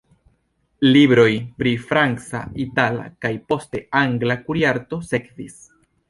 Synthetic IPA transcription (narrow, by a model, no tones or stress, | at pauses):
libɾo̞jpɾifɾant͡sa̰itala̰kajpo̞ste̞aŋɡlakuɾiaɾto̞se̞kvis